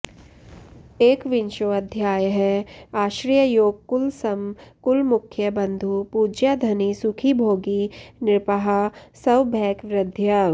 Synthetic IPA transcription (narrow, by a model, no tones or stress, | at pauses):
eːkʋɪnʃoɐd̪ʱjaːjəɦɛaːʃɾijəjoːɡ̚kʊlsɐmkʊlmʊkʰjəbɐ̃nd̪ʱupuːd͡ʒjad̪ʱɐnisʊkʰibʱoːɡinɪɾpəɦasɐwbʱɛːkʋɾɪd̪ʱja